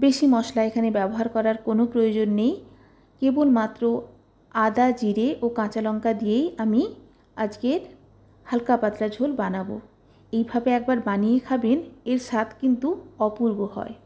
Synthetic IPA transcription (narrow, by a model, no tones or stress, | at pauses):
beʃimɔʃlaekʰanebɛboɦaɾkɔɾaɾkonopɾojod͡ʑonːej | kebolmat̪ːɾo | ad̪ad͡ʑiɾeʔokãt͡ɕalɔŋkad̪ijejami | ad͡ʑɡeɾ | halkapat̪ːɾad͡ʑʱolbanabo̰ | ejbʱabeɛk̚baɾbanijekʰabeneɾʃat̪ʰkint̪uɔpuɾboɦɔ̰e